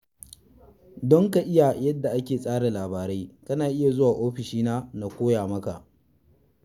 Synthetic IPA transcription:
dɔ˦ŋka˨ʔɪ˦ja˨jɐ˦dːa˨ʔa˦kʲeː˨sʼaː˦ɽe˨laː˨baː˨ɾe˦jkɐ˦naː˨ʔɪ˦ja˨zʊ˦waː˨ʔoː˦ɸɪ˨ʃiː˦naː˦na˨kʷoː˦jaː˨mɐ˦ka˨ʔ

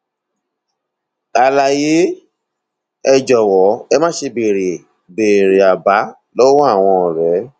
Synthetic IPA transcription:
a˨la˨je˨˦ | ɛ˧d͡ʒɔ˨wɔ˨˦ɛ˧mã˦ʃe˧be˨ɾe˨ | be˨ɾe˨a˨ba˨˦ | lo˦wɔ̃˦a˦˨w̃ɔ̃˧˨ɾɛ˨˦

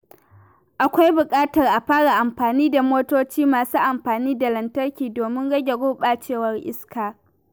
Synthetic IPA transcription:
ʔa˨kʷa˦jbʊ˨kʼaː˦tɐ˨rʔa˨ɸaː˦ɽa˨ʔa˨mɸaː˨niː˦da˨moː˦toː˦t͡ʃiː˦maː˨suː˦ʔa˨mɸaː˨niː˦da˨lɐ˨ntɐ˦rkʲiː˨doː˨mɪ˦ŋɽɐ˦ɡʲe˨ɡʊː˦ɓa˨t͡ʃeː˦˨wɐ˨rʔɪ˦skaː˨

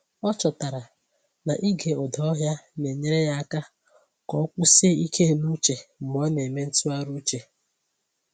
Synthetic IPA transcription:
ɔ˦t͡ʃɔ˨ta˨ɾa˨ | na˨ʔi˦ɡe˨ɔ˨dɔ˨˦ɦja˦ne˨ɲe˦ɾe˦ja˦a˦ka˦ | kɔ˨˦kʷʊ˦se˦i˦kʰe˦˨nu˦t͡ʃe˨m̩˨m˦ɔ˦ne˨me˦n̩˦tu˦a˦ɾu˦t͡ʃe˨

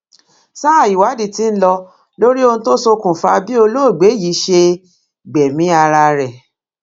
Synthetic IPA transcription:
sa˦a˦˨ji˨wa˨˦di˦˨ti˨˦n̩˦lɔ˧ | lo˦ɾi˦o˧n̩ũ˧to˦so˧kũ˨fa˧bi˦o˧lo˦˨ɡ͡be˨˦ji˨˦ʃe˧ | ɡ͡bɛ˨mĩ˨˦a˧ɾa˧ɾɛ˨

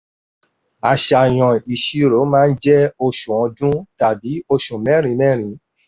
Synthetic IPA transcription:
a˨ʃa˨j̃ɔ̃˨i˨ʃi˧ɾo˨˦mãː˦˧n̩˦d͡ʒɛ˦o˧ʃũ˨ɔ̃˧dũ˦ta˨bi˨˦o˧ʃũ˨mɛ̃˨˦ɾ̃ĩ˧˦mɛ̃˦˨ɾ̃ĩ˨˦

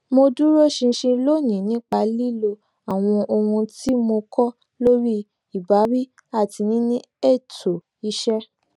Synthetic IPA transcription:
mo˧du˦ɾo˦˨ʃĩ˧ʃĩ˧lo˦˨nĩ˨nĩ˨˦k͡pa˨˧˦li˦lo˧ | a˨w̃ɔ̃˧ʔo˧hũ˧ti˦mo˧kʰɔ˦ | lo˦ɾi˦ | i˦˨ba˨˦ɾi˦ | a˦˨ti˧nĩ˦nĩ˦ | e˦˨to˨ | i˧ʃɛ˦

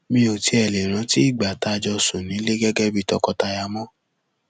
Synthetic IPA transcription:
mĩ˧o˨ti˧˦ɛ˨le˨ɾ̃ã˧˦ti˦i˦˨ɡ͡ba˨ta˧˨d͡ʒɔ˧so˨nĩ˨˦le˦ɡɛ˦ɡɛ˦bi˦˨tɔ˧kɔ˧ta˧ja˧mɔ̃˦

